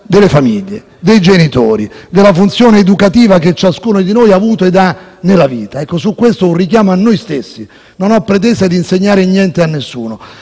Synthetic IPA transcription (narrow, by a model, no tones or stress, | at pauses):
d̪elːefamiʎːḛ | d̪ejd͡ʒenit̪oːɾid̪elːafunt̪sjoːneːd̪ukat̪iːvaket͡ʃːaskuːnod̪inojaːvuːt̪oed̪anelaviːt̪aɛkːosukːwest̪ounrikjaːmoanːojst̪esːi | nonɔpːɾet̪̬ɛsad̪iːnseɲːaːɾɪɲːjɛnt̪eanːesːṵːno